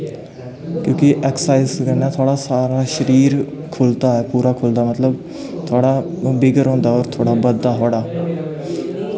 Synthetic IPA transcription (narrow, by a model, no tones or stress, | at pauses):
kjõːkiʔɛːksaːɪzɡənːãːt̪ʰoaːɽaːsaːɾaːʃəɾiːɾ | kʰʊlt̪aːɛːpuːɾaːkʰʊld̪aːmət̪ləb | t̪ʰʊaːɽaːbɪɡəɾɦõːnd̪aːɔːɾt̪ʰoːɽaːbəd̪ːaːɦoːɽaː